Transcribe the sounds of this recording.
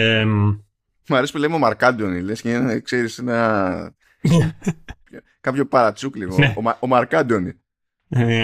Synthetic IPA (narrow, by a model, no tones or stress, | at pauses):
em | mɐɾespulemeomɐɾkɐd̪onilesceekseɾisenɐ | po | kɐpço̞pɐɾɐt͡suklieomɐomɐɾkɐd̪onḭ | e